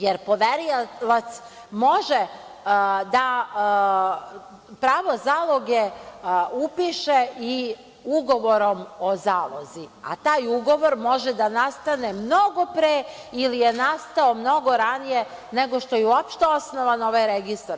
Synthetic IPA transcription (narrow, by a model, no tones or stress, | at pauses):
jeɾpo̞ʋeɾilat̪s | mo̞ʒe | d̪a | pɾaːʋo̞zaːlˠo̞ɡe | upiʃei | uɡo̞ʋo̞ɾo̞mozaːlˠo̰zia̰t̪aːjuɡo̞ʋo̞ɾmo̞ʒɛd̪anast̪anemno̞ɡo̞pɾeː | ilijenast̪ao̞mno̞ɡo̞ɾanije̞ | ne̞ɡo̞ʃt̪o̞jeuopʃt̪eo̞sno̞ʋano̞ʋajɾeɡist̪aɾ